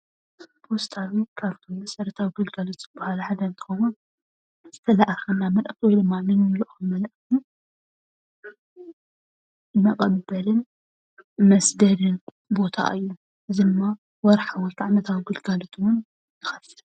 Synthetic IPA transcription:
bost̪ʰawikʰaβt̪ʰomɨsʼɐɾɐt̪ʰawiɡɨlɡalot̪z̥ɨbːɐhalħad̪ɐnt̪ʰɨ̥xɐwun | z̥ɨt̪ʰɐlaʔxɐnːamɐlʔt̪iwɔjd̪ɨmːanɨnɨluʔxɨmɐlʔt̪ʰi | jmɐkʼɐbɐlɨn | mɐsd̪ɐd̪ɨn | bo̞t̪ʰa̰ʔɨjːu | ʔɨzidɨmːa | wɔɾħawɔlt̪ʰaʕnɐt̪ʰawiɡɨlɡalot̪ʰwʊn | jɨxɐt̪ːiɾ

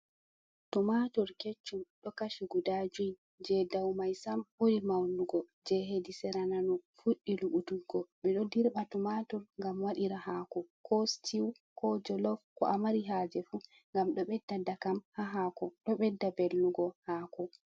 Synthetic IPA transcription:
tumatɔɾket͡ʃːumɗɔkaʃuɡudad͡ʒujn | d͡ʒɛdawmajsambuɾimawluɡɔ | d͡ʒɛɦedisɛɾananɔfuɗːiluɓutuɡɔɓɛɗɔdiɾɓatumatɔɾŋɡamwaɗiɾaɦakɔkʰɔstʰiw | kɔd͡ʒɔlɔfkɔ̰ʔamaɾiɦad͡ʒɛfu | ŋɡamɗɔɓɛdːadakamhaɦakɔɗɔɓɛdːabelːuɡɔhaːkɔ

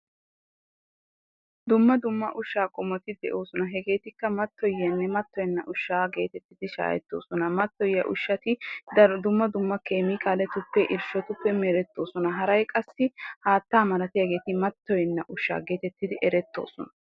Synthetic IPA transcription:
d̪ʊmːɐd̪ʊmːɐʔʊʃːaːkʼɔmːɔt̪ɪd̪ɛ̰ʔo̞ːsɔnɐɦɛɡe̞ːt̪ɪkːɐmɐt̪ːɔjɐnːɛmɐt̪ːɔjɛnːɐʔʊʃːaːɡe̞ːt̪ɛt̪ːɪd̪ɪʃa̰ːjɛ̰t̪ːo̞̰ːsɔnɐmɐt̪ːɔjːɐʔʊ̰ʃːɐt̪ɪɐd̪ʊmːɐd̪ʊmːɐkeːmɪkʰaːlɛt̪ʊpːɛʔɪɾʃɔt̪ʊpːɛmɛɾɛt̪ːo̞ːsɔnɐɦɐɾɐjkʼɐsːɪhaːt̪ːaːmɐlɐt̪ɪjɐɡe̞ːt̪ɪmɐt̪ːɔjɛnːɐʔʊʃːa̰ːɡe̞ːt̪ɛt̪ːɪd̪ɪʔɛɾɛt̪ːo̞̰ːsɔnɐ

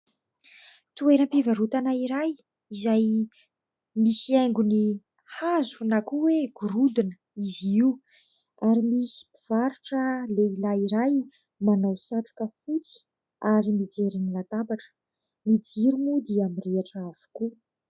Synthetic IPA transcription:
t̪ueɾəmpevaɾut̪anaiɾaj | izaj | misiajŋɡuni | hazunakuweɡ̥uɾud̪inə | iziu | aɾimisi̥piv̥aɾuʈ͡ʂəleilaiɾaj | manawsaʈ͡ʂu̥kəfut͡si̥ | aɾimid͡zeɾinilat̪abaʈ͡ʂə̥ | mid͡ziɾumud̪iamireaʈ͡ʂav̥u̥ku

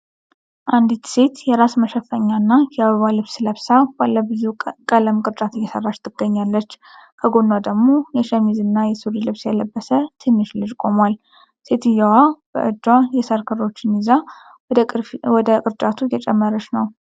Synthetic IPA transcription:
ʔand̪it̪se̞t̪jɛɾasməʃəfəɲːanːajɛaβəβalɨβsləβsabalːəbɨzukʼələmkʼɨɾt͡ʃʼat̪ʰɨjːɛsə̰rːat͡ʃt̪ʰɨɡ̥ːəɲːalːət͡ʃː | kʰəɡonːad̪əɡmo̞jɛʃəmizɨnːajɛsuɾilɨβsjɛləbːəsət̪ʰɨnːɨʃlɨd͡ʒkʼo̞mwal | se̞t̪ɨjːawab̥ə̰ʔɨd͡ʒwajɛsəɾkʰɨɾo̞t͡ʃːɪniza | wɔd̪əkʼɨɾt͡ʃʼat̪ʰujɛt͡ʃʼɛmːəɾəʃnəw

